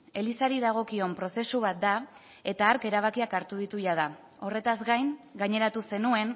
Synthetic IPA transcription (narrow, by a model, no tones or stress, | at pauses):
e̞lisaɾiðaɣ̞o̞kio̞mpɾo̞se̞suβat̪̚d̪a | e̞t̪aːɾke̞ɾaβ̞akiakaɾt̪uðit̪uʎað̞a | o̞re̞t̪azɡajŋɡaɲe̞ɾat̪use̞nue̞n